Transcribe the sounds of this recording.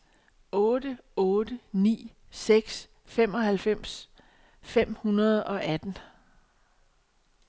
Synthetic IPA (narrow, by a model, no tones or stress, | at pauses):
ɔ̽ːd̥əɔːd̥ənḭː | seɡ̥s | fem̰ɒ̽hælfem̰s | fem̰hunɐð̞ˠɒ̽ʔæd̥n̩